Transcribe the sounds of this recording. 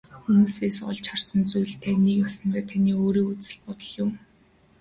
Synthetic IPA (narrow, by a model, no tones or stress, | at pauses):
xumuːseːsɔ̰ɮt͡ɕχarsə̆nt͡sujɮt̪ʰæːniːkjasə̆nt̪ʰæːt̪ʰaniːoːɾiːkut͡sɘ̆ɮpɔt̪ɞ̆ɮjʊm